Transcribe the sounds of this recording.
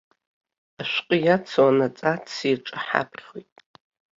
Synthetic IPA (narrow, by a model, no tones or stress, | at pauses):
aʃʷqʼəjat͡sʰwanat͡sʼat͡sʰiʈ͡ʂʼɨħa̰pʰrʲχojtʼ